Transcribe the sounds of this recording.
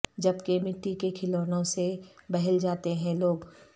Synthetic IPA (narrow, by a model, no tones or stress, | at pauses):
d͡ʒɐbkemɪʈːikekʰɪloːnõsebɐɦɛld͡ʒaːt̪eɦɛ̃loːɡ